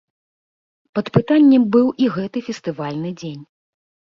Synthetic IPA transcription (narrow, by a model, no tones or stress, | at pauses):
pɐt̪pɨt̪anʲːɛmbɨwʔiɣɛt̪ɨfʲɛst̪ɨvalʲnɨd͡zʲenʲ